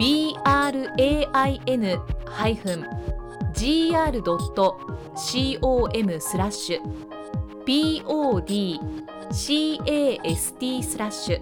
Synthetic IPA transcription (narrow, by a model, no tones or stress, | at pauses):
b̥ʲiːaːɾɯ̟ʔe̞ːʔaie̞nɯ̟haiɸɯ̟̃ɴ | d͡ʑiːaːɾɯ̟d̪o̞t̪ːo̞ | ɕiːʔo̞ːʔe̞mɯ̟sɨɾaɕɨ | b̥ʲiːoːd̪ʲiː | ɕiːeːesɨ̥t̪ʲiːsɨɾaɕːɨ